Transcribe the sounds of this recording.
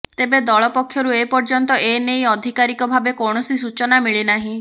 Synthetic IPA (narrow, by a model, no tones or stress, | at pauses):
t̪ebed̪ɔɭɔpɔkʰjɔɾuepɔɾd͡ʒɔnt̪ɔʔenejɔd̪ʱikaɾikɔbʱabekɔɽ̃ɔsis̬ut͡ʃɔnamiɭenaɦĩ